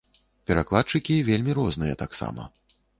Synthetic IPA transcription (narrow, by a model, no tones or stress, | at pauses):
pʲɛɾaklˠat̪̚t͡ʂɨkʲivʲelʲmʲiɾɔznɨjɛt̪aksa̰mɐ̰